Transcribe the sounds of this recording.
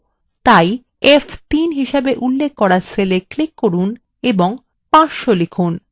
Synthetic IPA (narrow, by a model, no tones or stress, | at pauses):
t̪aj | eft̪inɦiʃebeʔulːek̚ʰːɔɾaseleklikːoɾun | eboŋ | pãsʃolekʰun